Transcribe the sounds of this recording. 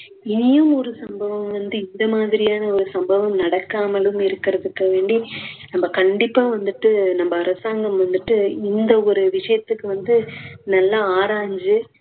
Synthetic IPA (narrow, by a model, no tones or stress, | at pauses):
ɪnɪjɯmɔɾɯsɐmbɐʋɐmʋɐnd̪ɯɪnd̪ɐmaːðɪɾɪjaːnɐɔɾɯsɐmbɐʋɐmnɐɽɐkːaːmɐlɯmɪɾɯkːɪɾɐðɯkːɐʋeːɳɖinɐmbɐkɐɳɖɪpːaːʋɐnd̪ɯʈːɯnɐmbɐːɾɐsaːŋɡɐmʋɐnd̪ɯʈːɯɪnd̪ɐɔɾɯʋɪʂɐjɐt̪ːɯkːɯʋɐnd̪ɯnɐlːaaːɾaːɲd͡ʒɯ